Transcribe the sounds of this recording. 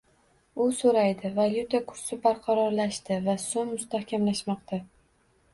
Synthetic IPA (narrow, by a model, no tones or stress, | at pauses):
ʊsoɾajd̪ɪvalʲjʊt̪ʰakʰʊɾsɪbaɾqʰɑɾɒɾlaʃt̪ɪvasomːʊst̪ahkʲʰamlaʃmɒq̚t̪ʰa